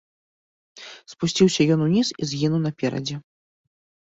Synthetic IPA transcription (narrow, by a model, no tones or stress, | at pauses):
spusʲt͡sʲiwsʲɐjɔnunʲisizʲɣʲinuwnɐpʲɛɾɐ̰d͡zʲɛ